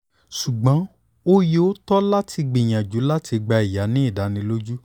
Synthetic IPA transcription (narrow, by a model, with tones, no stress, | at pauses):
ʃu˨ɡ͡bã˨˦ | o˦je˧o˦tɔ˦la˦tʰi˧ɡ͡bi˨j̃ã˨d͡ʒu˨˦la˦tʰi˧ɡ͡ba˧i˨ja˨˦nĩ˦i˦˨da˨˦nĩ˧lo˦d͡ʒu˦